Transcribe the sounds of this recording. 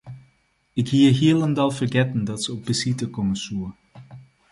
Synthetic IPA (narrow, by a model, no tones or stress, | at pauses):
ɪkɦiːəɹɦiːələndɑlˠvərɡɛtəndɑtsəɔp̚bəsitəkɔməsuə